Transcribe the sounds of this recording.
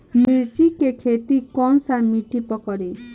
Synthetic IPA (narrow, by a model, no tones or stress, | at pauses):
miɾt͡ʃikekʰet̪ikɔnsamiʈipɔkɔɾi